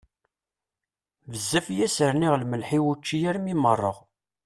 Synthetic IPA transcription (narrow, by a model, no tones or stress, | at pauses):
vəzːæfjæsəɾniʁlməlħiwut͡ʃːijæɾmimərˤːəʁ